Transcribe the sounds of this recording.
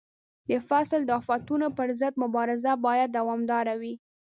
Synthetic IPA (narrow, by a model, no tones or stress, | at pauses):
d̪əfasld̪əɑfat̪unopəɾzəd̪̚mʊbɑɾɪzabɑjad̪ːawɑmd̪ɑɾawi